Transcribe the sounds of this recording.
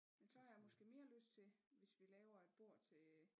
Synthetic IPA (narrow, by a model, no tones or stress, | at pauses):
d̥et͡sʰɔ̰ːjɑmɒ̽sɡ̥e̝̰ːme̝ːɐløsd̥t͡sʰe̝ʋe̝sʋilɛːʊɐe̝d̥̚b̥o̝ɐ̰t͡sʰe̝